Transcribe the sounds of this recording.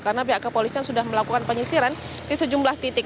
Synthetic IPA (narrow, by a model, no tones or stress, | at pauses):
kaɾənabiɦaʔkəpolisiansudahməlakukanpəɲisiɾan | disəd͡ʒumlaht̪it̪ɪk̚